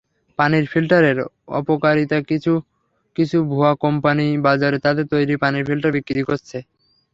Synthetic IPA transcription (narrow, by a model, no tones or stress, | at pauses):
paniɾfʰilʈaɾeɾ | ɔ̰pokaɾit̪akiu | kit͡ɕʰubʱuakɔmpanibad͡ʑaɾet̪ad̪eɾt̪ojɾipaniɾfʰilʈaɾbikːɾit̪ikoɾt͡ɕʰe